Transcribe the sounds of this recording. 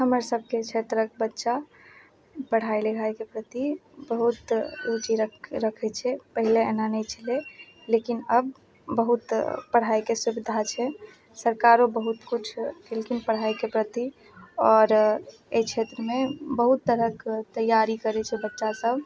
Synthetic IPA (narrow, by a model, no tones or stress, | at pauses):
həməɾsəb̚ʱket͡ʃʰet̪ɾək̚bətːʃa | pəɽ̤ailəɡʱajkepɾət̪ibəɦut̪ut͡ʃiɾəɾəkʰɛt͡ʃʰɛpəɦileenanɛjt͡ʃʰəle | lekinəb̚ː | əɦut̪pəɽ̤aikesubid̪ʱat͡ʃʰɛ | səɾkaɾobəɦut̪kut͡ʃʰkelkinpəɽ̤ajkepɾət̪i | ɔːɾ | eit͡ʃʰet̪ɾəmebəɦut̪ːəɾəkt̪əjːaɾikəɾɛt͡ʃʰɛbətːʃasəbʱ